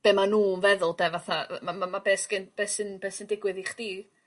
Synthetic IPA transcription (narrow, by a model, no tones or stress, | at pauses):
b̥eːmanuːnvɛðʊlˠdɛvaθamamamabeːsɡ̥ɪnb̥eːsɪnbeːsɪndɪɡwɨðiχd̥iː